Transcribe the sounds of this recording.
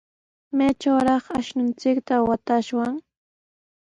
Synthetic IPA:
mat͡ʃawɾɑχaʃnʊnt͡sɪkt̪awat̪aʃwaŋ

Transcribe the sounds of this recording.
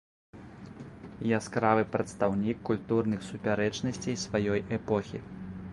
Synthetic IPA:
jaskɾavɨpɾɐt̪st̪awnʲikːulʲt̪urnɨxsupʲaɾɛt͡ʂnɐsʲt͡sʲejsvajɔjɛpɔxʲḭ

